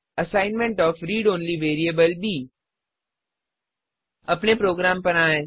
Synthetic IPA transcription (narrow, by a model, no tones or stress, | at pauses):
ɐsaːɪnmẽɳʈɔːfɾiːɖõːnliʋeːɾieːbəlbʱiː | ɐpnepɾoːɡɾaːmpɐɾaːẽː